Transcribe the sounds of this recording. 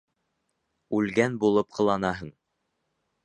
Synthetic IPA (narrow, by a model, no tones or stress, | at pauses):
ʉlɡænbulˠɤpqʰɤ̆lˠɑnɑɦɤɴ